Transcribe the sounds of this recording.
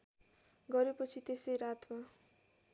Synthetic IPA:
ɡʌɾepʌt͡sʰit̪esʌjɾat̪ma

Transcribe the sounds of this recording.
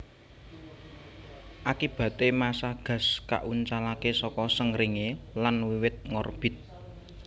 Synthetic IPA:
ʔakib̥ä̤t̪emasaɡ̥ä̤ska̰ʔuɲt͡ʃalakesɔkɔsəŋɾiŋelanwiwɪt̪̚ŋɔrb̥ɪ̤t̪̚

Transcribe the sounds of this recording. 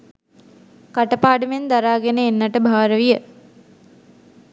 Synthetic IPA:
kaʈəpaːɖəmend̪aɾaːɡenəenːaʈəbʱaːɾəʋijə

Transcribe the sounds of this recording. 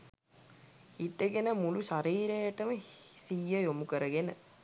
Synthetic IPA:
iʈːeɡenəmuluʃaɾiːɾejɐʈəməsijːəjomukəɾəɡenə

